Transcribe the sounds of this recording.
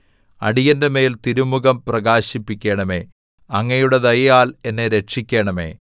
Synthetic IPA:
ɐ̰ɽijɐndeme̞ːlt̪iɾumuɣɐmprɐɣaːɕipːikʲːe̞ːɳɐme̞̰ː | ɐŋːɐjuɽe̞ðɐjɐjaːle̞nːeɾe̞ʈʂikʲːe̞ːɳɐme̞̰ː

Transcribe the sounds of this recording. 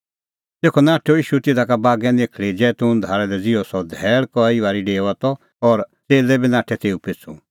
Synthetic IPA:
t̪eːkʰɔnaːʈʰoiːʃut̪ɪd̪ʱakabaːɡɛ̃nekʰɭid͡ʒɛːt̪ʊnd̪ʱaːɾɛlɛd͡zɪɔsɔd̪ʱɛːɭkɔiʋaːɾiɖeːʋat̪ɔ | ɔɾt͡seːlɛbinãːʈʰɛt̪eːupɪt͡sʰṵ̃

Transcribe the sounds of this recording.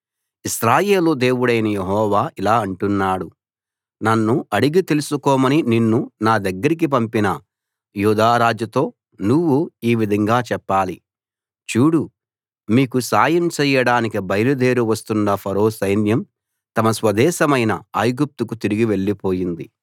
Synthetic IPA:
iʃɾaːjeːlud̪e̞ːwuɽɐjnɐjeɦɔːʋaːʔilaːɐɳʈunːaːɽu | nɐnːuɐɽiɡit̪elusukɔːmɐnininːunaːd̪ɐɡːɐɾik̬ip̬ɐmpinɐ | juːd̪aːɾaːd͡ʒjɐt̪o̞ː | nuʋːuiːʋid̪ʱɐŋɡaːt͡ʃɛpːaːli | t͡ʃuːɽu | miːkusaːjɐmt͡ʃɛːjɐɽaːnikibɐjɾud̪eːɾuʋɐst̪unːɐpʰɐɾo̞ːsɐjnjɐm | t̪ɐmɐsʋɐd̪ɛːʃɐmɐjnɐaːjɡup̚t̪ukut̪iɾiɡiʋe̞ɭːipo̞ːjind̪i

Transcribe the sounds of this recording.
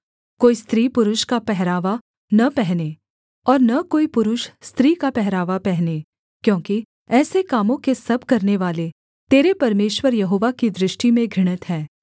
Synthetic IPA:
koːist̪ɾiːpʊɾʊʃkapɛɦɾaːʋa | nɐpɛɦne | ɔːɾnɐkoːipʊɾʊʃst̪ɾiːkapɛɦɾaːʋapɛɦne | kjõːki | ɛːsekaːmõkesɐb̚ʱkɐɾneʋaːle | t̪eːɾepɐɾmeːʃwəɾjɐɦoːʋakid̪ɾɪʃʈimẽɡʱɾɪɽ̃ət̪ɦɛː

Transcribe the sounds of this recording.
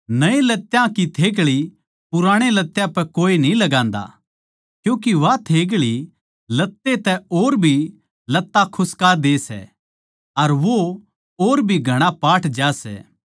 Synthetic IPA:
nɐẽlɐt̪ːjãkit̪ʰeːɡɭi | pʊɾaːɽ̃elɐt̪ːjãpɛkoːinĩlɐɡãːnd̪a̰ | kjũːk̬iʋat̪ʰeːɡ̬ɭi | lɐt̪ːet̪ɛoːɾbʱi | lɐt̪ːakʰʊskaːɾd̪eːsɛ̰ | ɐɾʋo | oːɾbʱiɡʱɐɽ̃apaːʈʰd͡ʒaːsɛ̰ː

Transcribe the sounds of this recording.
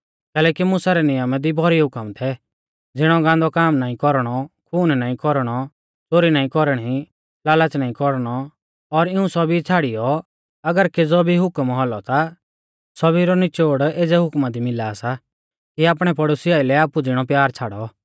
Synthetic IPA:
kɛːlɛːkimʊsaɾɛnɪjəmɛd̪ibʱɔɾiɦʊkəmt̪ʰɛ | d͡zɪɽ̃ɔɡãːnd̪ɔkaːmnaːĩkɔɾɽ̃ɔkʰuːnnaːĩkɔɾɽ̃ɔ | t͡soːɾinaːĩkɔɾəɽ̃i | laːlət͡snaːĩkɔɾɽ̃ɔ | ɔɾɪũsɔbit͡sʰaːɽijɔ | ɐɡəɾked͡zobʱiɦʊkəmɦɔlɔt̪a | sɔbiɾɔnɪt͡ʃoːɽeːd͡zɛɦʊkmad̪imɪlaːsa | kiaːpɽ̃ɛpɐɽosɪaːɪlɛaːpud͡zɪɽ̃ɔpjaːɾt͡sʰaːɽɔ

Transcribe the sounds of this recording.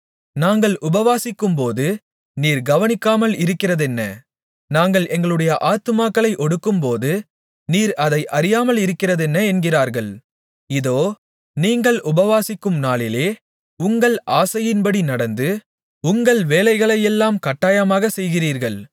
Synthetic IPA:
naːŋɡɐɭʔʊbɐʋaːsɪkːɯmpoːðɯ | niːɾɡɐʋɐnɪkːaːmɐɭɪɾɯkːɪrɐðɛnːɐ | naːŋɡɐɭʔɛŋɡɐɭɯɽɐjɐʔaːt̪ːɯmaːkːɐɭɐɪʔɔɽɯkːɯmpoːðɯ | niːɾɐðɐɪʔɐɾɪjaːmɐɭɪɾɯkːɪrɐðɛnːɐɛnɡɪraːɾɣɐɭ | ɪðoː | niːŋɡɐɭʔʊbɐʋaːsɪkːɯmnaːɭɪleː | ʊŋɡɐɭʔaːsɐjɪnpɐɽinɐɽɐnd̪ɯ | ʊŋɡɐɭʋeːlɐɪɣɐɭɐjɛlːaːmkɐʈːaːjɐmaːɣɐsɛjɣɪriːɾɣɐɭ

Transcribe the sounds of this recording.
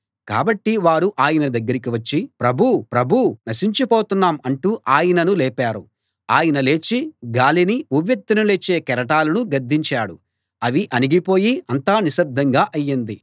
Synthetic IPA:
ka̰ːbɐʈːiʋaːɾuʔaːjɐnɐd̪ɐɡːɐɾikiʋɐt͡ʃːipɾɐbʱupɾɐbʱunɐʃiɲt͡ʃipoːt̪unːaːmɐɳʈuːʔaːjɐnɐnulɛːpaːɾu | aːjɐnɐle̞ːt͡ʃiɡaːliniuʋjɐk̚t̪ːinɐleːt͡ʃːe̞ːkɛɾɐʈaːlɐnuɡɐɾd̪ːiɲt͡ʃaːɽu | ɐʋiʔɐniɡipo̞ːjiɐnt̪aːniʃɐb̚d̪ʱːɐŋɡaːʔɐjːɐnd̪i

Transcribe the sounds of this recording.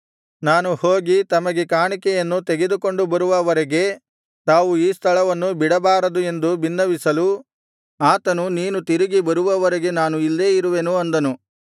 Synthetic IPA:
naːnuhoːɡit̪ɐmɐɡekaːɳikɛjɐnːut̪eɡe̞d̪uko̞ɳɖubɐɾuʋɐʋɐɾɐɡe̞ | t̪aːʋuiːst̪ʰɐɭɐʋɐnːubiɽɐbaːɾɐd̪ue̞nd̪ubinːɐʋisɐlu | aːt̪ɐnuniːnut̪iɾiɡibɐɾuʋɐʋɐɾɐɡe̞naːnuilːeːiɾuʋe̞nuɐnd̪ɐnu

